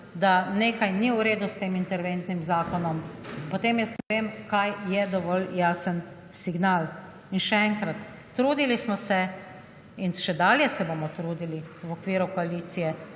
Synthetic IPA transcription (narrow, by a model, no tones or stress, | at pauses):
d̪aneːkajniwɾeːd̪ust̪eːmint̪ɛɾʋent̪nimzaːkɔnɔmpɔt̪eːmjɛst̪nɛʋeːmkajjɛd̪ɔʋɔljaːsən | siɡnaːl | inʃɛɛŋkɾat̪ː | ɾuːd̪ilismɔsɛ | inʃɛd̪aːljɛsɛbomɔt̪ɾuːd̪iliwɔkʋiːɾukɔaliːt̪sijɛ